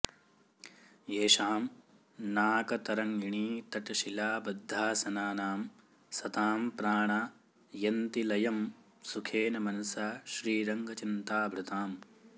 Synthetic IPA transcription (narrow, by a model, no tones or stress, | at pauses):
eːʃaːm | naːkɐt̪ɐɾɐŋiɳiːt̪ɐʈɐʃilaːbɐd̪ʱːaːsɐnaːnaːm | sɐt̪aːmpɾaːɳa | jɐnt̪ilɐjɐm | sukʰeːnɐmɐnɐsaʃɾiːɾɐŋɡʱɐt͡ʃint̪aːbʱɾut̪aːm